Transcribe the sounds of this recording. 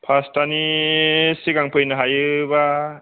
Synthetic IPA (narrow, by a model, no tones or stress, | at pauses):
pʰastani | siɡaŋpʰɯjnɯɦajɯba